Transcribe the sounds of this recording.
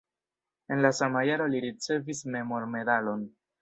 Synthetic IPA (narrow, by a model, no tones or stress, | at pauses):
e̞nlasamajaɾo̞liɾit͡se̞visme̞mo̞ɾme̞dalo̞n